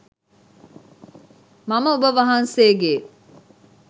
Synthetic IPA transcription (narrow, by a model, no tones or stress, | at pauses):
mɐmɐubəʋɐɦɐnseːɡeː